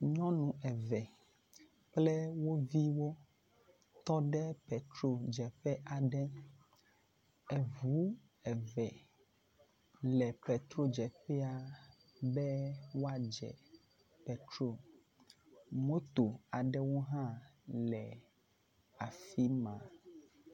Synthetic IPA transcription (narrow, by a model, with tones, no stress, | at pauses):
ɲɔ̃˦nũ˨ɛ˨vɛ˨ | k͡plɛ˦wo˦vi˦wo˦ | t̪ɔ˦ɖɛ˦pɛ˨t̪ɾo˦d͡ʒɛ˨ɸɛ˦ʔa˨ɖɛ˦ | ɛ˨vu˨˦ | ɛ˨vɛ˨ | lɛ˨pɛ˨t̪ɾo˦d͡ʒɛ˨ɸɛ˦a˨ | bɛ˦wo˦a˦d͡ʒɛ̰˨ | pɛ˨t̪ɾo˦ | mõ˦t̪o˨a˨ɖɛ˦wo˦ɦã˦lɛ˨ | a˨fi˦mã˨